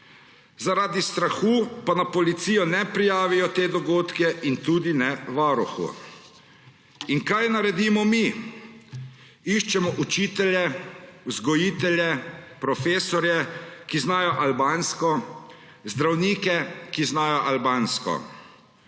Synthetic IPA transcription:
zaɾaːd̪ist̪ɾaxuːpanapɔlit̪sijɔnɛpɾijaːʋijɔt̪eːd̪ɔɡoːt̪kɛʔint̪uːd̪inɛʋaːɾuxṵ | inkajnaɾɛd̪iːmɔmi | iʃt͡ʃɛmɔʔut͡ʃiːt̪ɛljɛuzɡɔjiːt̪ɛljɛpɾɔfeːsɔɾjɛkiznaːjɔʔalbaːnskɔ | zd̪ɾawniːkɛkiznaːjɔʔalbaːnskɔ̰

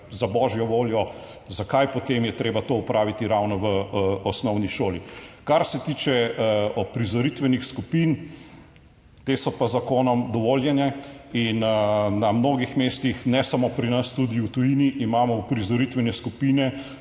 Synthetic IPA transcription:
zabɔːʒjɔʋoːljɔ | zakajpɔt̪eːmjɛt̪ɾeːbat̪oːupɾaːʋit̪iɾawnɔʋəɔsnɔwniʃoːlikaɾsɛt̪iːt͡ʃɛɔpɾizɔɾit̪ʋɛnixskupin | t̪eːsɔpazakoːnɔmd̪ɔʋoːljɛnjɛinnamnoːɡixmeːst̪ixnɛsamopɾinɐst̪ud̪iut̪ujiniʔːmaːmɔupɾizɔɾit̪ʋɛnɛskupiːnɛ

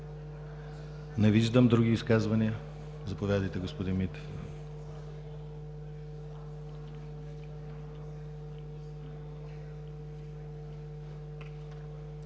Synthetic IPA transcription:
nɛviʒd̪əmd̪ɾuɡʲiːskazvɐniə | zɐpovʲad̪əjt̪ɛɡospod̪inmit̪

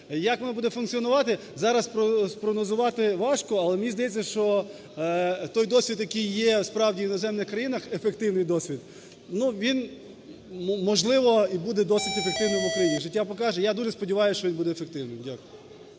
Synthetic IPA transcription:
jɐkʋɔnɔbud̪ɛfʊnk̪t͡sʲiɔnʊʋɑt̪ɪ | zɑɾɐspɾɔspɾɔɦnɔzʊʋɑt̪ɪʋɑʃkɔɐlˠɛmnʲizd̪ɐjɛt͡sʲːɐʃt͡ʃɔ | t̪ɔjd̪ɔsʲʋʲid̪jɐkɪjːɛspɾɑwdʲinɔzɛmnɪxkɾɐjinɐxefek̚t̪ɪwnɪjd̪ɔsʲʋʲid̪ | nuʋʲin | mɔʒlˠɪʋɔibud̪ɛd̪ɔsʲit̪efek̚t̪ɪwnɪmʊkɾɐjinʲiʒɪtʲːapɔkɑʒɛjad̪uʒɛspɔdʲiʋɑjʊst͡ʃɔʋinbud̪ɛːfek̚t̪ɪwnɪmdʲakʊj

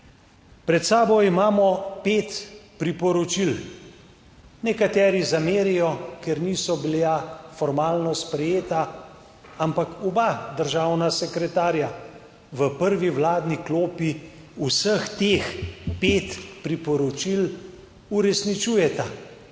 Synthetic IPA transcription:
pɾɛt̪saːbɔimaːmɔpeːt̪pɾipɔɾɔt͡ʃil | nɛkat̪ɛːɾizameːɾijɔkɛɾniːsɔbilafɔɾmaːlnɔspɾɛjeːt̪a | ampakɔbad̪əɾʒawnasɛkɾɛt̪aːɾja | ʋəpəɾʋiwlaːd̪nikloːpi | usəxt̪eːxpeːt̪pɾipɔɾɔt͡ʃil | uɾɛsnit͡ʃuːjɛt̪a

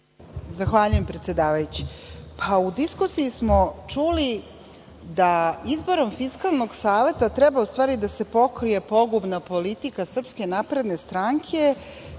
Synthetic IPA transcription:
zaxʋaːʎuje̞mpɾe̞t̪sje̞d̪aːʋajut͡ɕi̥pʰaud̪iskusijismo̞t͡ʂuli | d̪aizbo̞ɾo̞mfiskalˠno̞ɡsaːʋe̞t̪at̪ɾebaust̪ʋaːɾid̪ase̞po̞kɾije̞po̞ɡubnapo̞lit̪ikasr̩pskenapɾe̞d̪ne̞st̪ɾaŋkʰe̞

